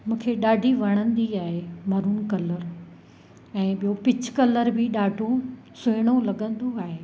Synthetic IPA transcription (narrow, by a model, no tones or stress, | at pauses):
mũːkʰeɗaːɖʱiʋɐɽ̃ə̃nd̪iaːɦemɐɾuːnkɐləɾ | ɛ̃ːɓijopɪt͡ɕkɐləɾbʱɪɗaːɖʱo | sʊɦɪɽ̃olɐɠə̃nd̪oaːɦeː